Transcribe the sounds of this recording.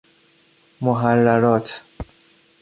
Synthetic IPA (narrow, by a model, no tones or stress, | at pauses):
mʊɦarːaɾɔːt̪ʰ